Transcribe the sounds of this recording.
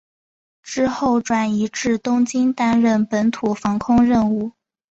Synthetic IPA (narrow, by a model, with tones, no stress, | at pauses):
ʈ͡ʂɻ̩˥xo˥˩ʊʈ͡ʂwa˨˩ni˧˥ʈ͡ʂɻ̩˥˩t̪ʊ˥ŋt͡ɕi˥nt̪a˥nɻə˥˩npə˧˥nt̪ʰu˨˩fɑ˧˥ŋkʰʊ˥ŋɻə˥˧nu˥˩